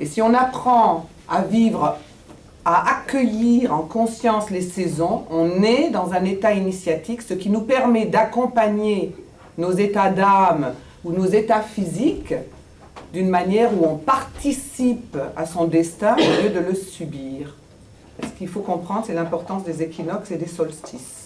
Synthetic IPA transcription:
esiɔ̃napχɑ̃ | avivʁ | aʔakʲəjiʁɑ̃kɔ̃sjɑ̃slesɛzɔ̃ɔ̃nɛd̪ɑ̃zɛ̃net̪ainisjat̪ifsəkʲinupɛʁmɛd̪akɔ̃paɲe | nozet̪ad̪am | unozet̪afizik | d̪ynmanjɛʁuɔ̃paʁt̪isipa̰sɔ̃d̪ɛst̪ɛ̃oljød̪ələsybiːʁ | sə̥kilfokɔ̃pχɑ̃d̪ʁsɛlɛ̃pɔʁt̪ɑ̃sd̪ezekʲinɔksed̪esɔlst̪ʰis

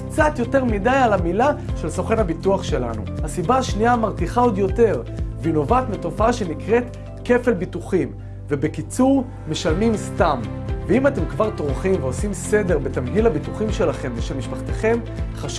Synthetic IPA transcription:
kt͡sat̪jo̞te̞ʁmidajalamilaʃe̞lsoχenhabituaχʃe̞la̰nṵhasibaːʃniamaʁtiχao̞djo̞te̞ʁvino̞vatmeto̞faaʃe̞nikʁe̞t | ke̞fe̞lbituχim | vebekit͡suʁ | me̞ʃalmimstam | veimate̞mkvaʁtʁχimveo̞simse̞de̞ʁbetamɦilhabituχimʃe̞laχe̞mzeʃelmiʃpaχt̪eχe̞m | χaʃ

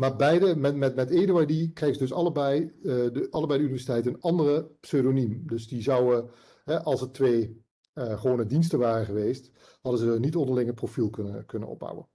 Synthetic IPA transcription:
maːɹbɛjdəmɛtmɛtmɛteːduajdikrɛjχəzədɵs̬ɑləbɛjdɑlˠəbɛjdəynivɛɹsitɛjtəənɑndərəpsøɥdonymdɵsdizɑwə | ɦɛʔɑlˠsətʋeːj | χəʋoːnədinstəʋaːrəχəʋejst | hɑdəzənitɔndəɹlɪŋəprofilˠkɵnəkɵnə̰nɔ̰b̚ʌ̰wə̰n

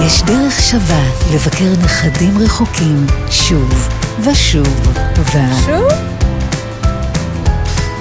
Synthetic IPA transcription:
jeʃdeʁeχʃavale̞vakeʁneχadimʁeχokʰimʃuvvaʃuvvav

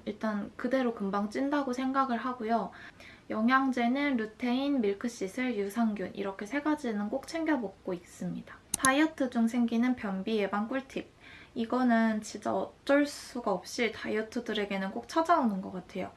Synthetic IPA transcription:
iɭt͈ankɯde̞ɾokɯmbaŋt͡ɕ͈indaɡosʰe̞ŋɡaɡɯɭɦaɡojo | jʌŋɦjaŋd͡ʑe̞nɯnɾutʰe̞inmiɭkʰɯɕ͈isʰɯɭjusʰaŋɡjunʔḭɾʌkʰe̞sʰe̞ɡad͡ʑinɯnk͈ok̚t͡ɕʰe̞ŋɡjʌbok̚k͈ois͈ɯmɲidḁtʰaiʌtʰɯd͡ʑuŋs̬ʰe̞ŋɡinɯnpjʌnbije̞baŋk͈uɭtʰik̚iɡʌnɯnt͡ɕid͡ʑ͈a̰ʌt͡ɕ͈ʌɭs͈uɡaʌp̚ɕ͈itʰaiʌtʰɯdɯɾe̞ɡe̞nɯnk͈ok̚t͡ɕʰad͡ʑaonɯnɡʌk͈atʰe̞jo̰

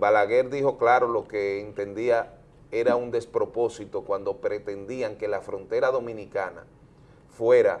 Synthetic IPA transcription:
balaɣe̞ɾd̪iho̞klaɾo̞lo̞ke̞ːnt̪e̞nd̪ia | e̞ɾaund̪e̞spɾo̞po̞sit̪o̞kwand̪o̞pɾe̞t̪e̞nd̪iaŋke̞lafɾo̞nt̪e̞ɾaðomĩnikana̰ | fwe̞ɾa

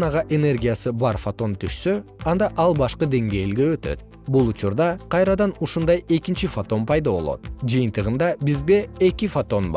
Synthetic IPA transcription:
nɑʁɑʔe̞ne̞rɡʲijasɯbɑɾfot̪o̞nt̪ʰyʃsøɑnd̪ɑʔɑlˠbɑʃqɯd̪e̞ŋɡe̞jlɡe̞øt̪ø̰t̪̚ | bulˠut͡ʃuɾd̪ɑqʰɑjɾɑd̪ɑnuʃund̪ɑje̞kint͡ʃifot̪o̞npɑjd̪aβo̞̰lˠo̞̰t̪d͡ʒɨjɯnt̪ɯʁɯnd̪ɑbizɡ̪e̞ːkifot̪o̞nbɑ̰

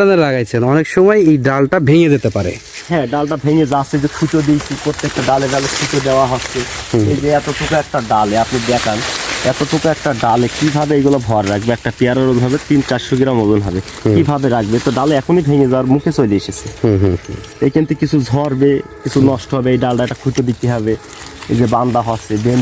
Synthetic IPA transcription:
aneɾaɡajt͡ɕʰenɔnekʃɔmɔjejɖalʈabʱẽŋed̪et̪epaɾḛ | hɛ̃ɖalʈabʱẽŋed͡ʑasʰed͡ʑekʰutod̪ejsʰipɾot̪ːek̚ʈaɖaleɖalekʰutod̪ewaɦotsʰeed͡ʑeɛt̪oʈʰukaɛk̚ʈaɖalɛapnibɛkanɛt̪oʈʰukaɛk̚ʈaɖalɛkibʱabeejɡulabʱɔɾɾakʰbeɛk̚ʈapiaɾaɾolɦɔbet̪int͡ʃat͡ʃʃuɡiɾamozonɦɔbe | kibʱabeɾakʰbet̪ɔɖaleɛkʰonibʱeŋed͡zaɾmũkʰesojleeʃesʰe | ekent̪ikit͡ɕʰuzʱɔɾbekit͡sʰunɔʃʈoɦɔbeejɖalʈaɛk̚ʈakʰut̪od̪it̪iɦɔbe | ḛzeband̪aɦɔtsʰeben

